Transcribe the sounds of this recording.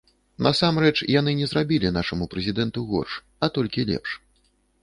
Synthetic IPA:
nʔɐ̰samɾɛt͡ʂjan̪ɨnʲɛzɾabʲilʲinaʂɐmupɾɛzʲid̪ɛnt̪uɣɔ̰rʂ | ɐt̪ɔlʲkʲilʲɛ̰pʂ

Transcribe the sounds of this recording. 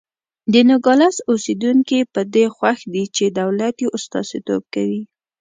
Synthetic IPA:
d̪ənʊɡɑlasosed̪uŋkipəd̪exwaxd̪it͡ʃed̪awlat̪jeʔʊst̪ɑ̰zet̪o̰b̚kawi

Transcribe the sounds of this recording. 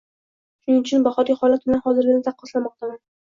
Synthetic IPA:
ʃʊnɪŋʊt͡ʃʰʊnbaχɒt̪ʲahɒlat̪̚bɪlanhɒzɪɾɡʲanɪt̪ʰaɑqːɒslamɒq̚t̪aman

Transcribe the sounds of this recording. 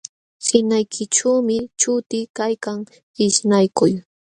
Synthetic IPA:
hɪnajkʰɪʈ͡ʂaːmɪt͡ʃʊt̪ɪkajkaŋ | ɪʃnajkʊj

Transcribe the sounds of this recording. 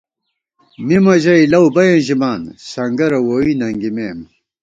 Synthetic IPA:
mimɐʑɐjlɐwbɐjɐ̃nʑimaːnsɐŋɡɐɾɐwoːwinɐŋɡimeːm

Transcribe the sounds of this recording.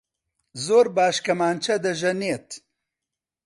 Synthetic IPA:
zoːɾbaːʃkɐmaːnt͡ʃʰɐd̪ɐʒɐneːt̪

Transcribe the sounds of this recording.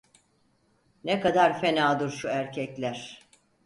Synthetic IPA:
nekad̪aɾfe̞naːd̪uɾʃuæɾcʰɛclʲæɾ̥

